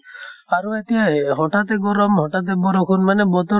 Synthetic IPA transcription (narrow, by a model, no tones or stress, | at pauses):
aɾuet̪iɦaɦɔ̃ʈat̪eɡɔɾɔmɦɔʈat̪̬ebɔɾɔkʰunmanebɔt̪ɔ